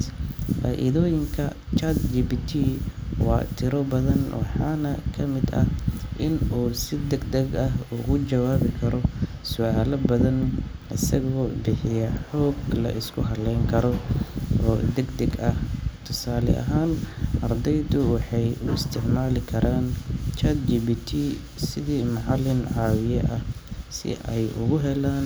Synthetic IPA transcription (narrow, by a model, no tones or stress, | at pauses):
faːʔɪ̰ðɔːjɪŋkʰɐ | t͡ʃɐd̪d͡ʒibit̪ʰiːwɑ̰ːt̪ʰɪɾɔbɐðɐnwɑħɑːnɐkʰɐmɪd̪ɐ̰ʔɪnuːsɪd̪ɛɡd̪ɛɡɐɦʊɣʊt͡ʃɐwaːβɪkʰɐɾɔ | sʊʔaːlɐbɐðɐn | ʔɪsɐɣɔːbɪħɪjɐħɔːɡlɐ̰ʔɪskʰʊɦɐlɛjŋkʰɐɾɔʔɔːd̪ɛɡd̪ɐɡɐht̪ʰʊsaːlɛ̰ʔɐ̰ɦaːnʔɐrd̪ɛjd̪ʊwɑħɑjʊɪst̪ʰɪʕmaːlɪkʰɐɾaːnt͡ʃɐd̪d͡ʒiːbiːt̪ʰi | sɪðiːmɑʕɑlːɪnʕɑːwɪjɐʔɐhsɪ̰ʔɛjʊ̰ɣʊɦɛlaːn